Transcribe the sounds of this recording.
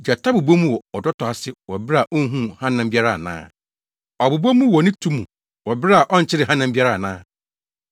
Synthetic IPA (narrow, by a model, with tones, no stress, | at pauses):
d͡ʑa˨tʰa˦bu˨bo˦mũ˦wɔ˨ɔ˨dɔ˦tʰɔ˨a˨sɪ˦wɔ˨bɪ˦ɾa˨ʔo˦ɦũ˦hã˦nã˨m̩˦bi˦a˦ɾa˨nã̰ː˦ | ɔ˨bu˨bo˦mũ˦wɔ˨nɪ̃˦tʰu˦mṵ̃˨ | wɔ˨bɪ˦ɾa˨ʔɔ˦n̩˨t͡ɕʰɪ˦ɾɪ˨ɦã˦nã˨˦bi˦a˦ɾa˦˨nã̰ː˦